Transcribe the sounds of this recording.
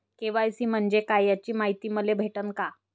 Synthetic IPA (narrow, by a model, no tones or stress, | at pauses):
kĩʋajsiːm̤əɳd͡ʑekajjat͡ɕiːmaɦit̪iːməlebʱeʈənka